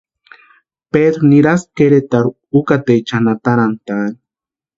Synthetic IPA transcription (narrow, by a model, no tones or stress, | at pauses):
ped̪ɾuniɾaskeɾet̪aɾu | ukat̪ejt͡ʃanat̪aɾant̪aːni̥